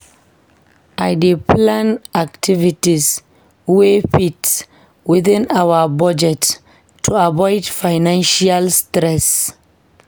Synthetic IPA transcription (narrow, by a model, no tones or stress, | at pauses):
ʔajdeplãnak̚tʰivitis | wefits | wiθĩnawabɔd͡ʒɛtʰː | uabɔɪdfajnãnʃialstɾɛs